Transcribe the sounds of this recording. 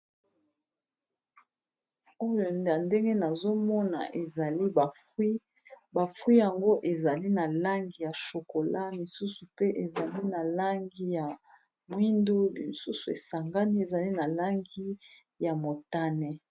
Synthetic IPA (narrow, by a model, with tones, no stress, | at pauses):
o˦jo˨na˨nde˦ŋɡe˦na˨zo˦mɔ˦na̰˨ʔe˨za˨li˦˨i˦ | ba˨fwi˦ja˨ŋɡo˦ʔe˨za˨li˦na˨la˦ŋɡi˨ja˨ʃo˨ko˨la˦mi˨su˦su˨pe˦ʔe˨za˨li˦na˨la˦ŋɡi˦ja˨ | mwi˦ndu˦˨su˦su˨e˨sa˨ŋɡa˦ni˦e˨za˨li˦na˨la˦ŋɡi˦ | ja˨mo˨ta˦nɛ˦